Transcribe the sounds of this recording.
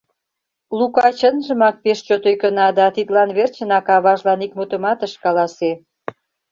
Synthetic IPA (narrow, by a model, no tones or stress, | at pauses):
lukɑt͡ɕənʒəmɑk̚peʃt͡ɕot̪ojkənɑd̪ɑt̪it̪lɑnβert͡ɕə̆nɑkɑβɑʒlɑnik̚mut̪ə̆mɑt̪əʃkɑlɑse